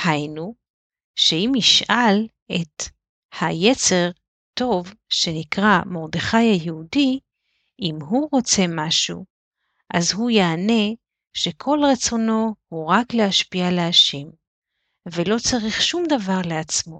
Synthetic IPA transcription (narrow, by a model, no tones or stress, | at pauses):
hajnu | ʃe̞imiʃal | e̞t | hajet͡se̞ʁ | t̪o̞vʃe̞nikʁamo̞ʁd̪eχajhajeudi | ʔimɦuʁo̞t͡se̞maʃṵ | ʔazɦujaːne̞ | ʃe̞kʰo̞lʁet͡so̞no̞huʁakleaʃpialeaʃe̞m | ve̞lo̞t͡saʁiχʃumd̪avaʁleat͡smo̞